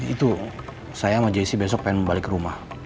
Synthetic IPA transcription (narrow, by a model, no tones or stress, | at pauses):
it̪u | sajamad͡ʒadisibes̬ɔk̚paɪnbalɪkɾumah